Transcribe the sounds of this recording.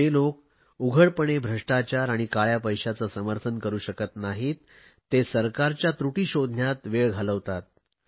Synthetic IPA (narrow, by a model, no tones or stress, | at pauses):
ɦelok | uɡʱəɽpəɽ̃ebʱɾəʂʈat͡ɕaɾaɽ̃ikaɭjapəjɕat͡səsəməɾt̪ʰənkəɾuːɕəkət̪naɦiːt̪ː | esəɾkaɾt͡ɕjat̪ɾuʈiːɕod̪ʱnjat̪ʋeɭɡʱaləʋt̪at̪̚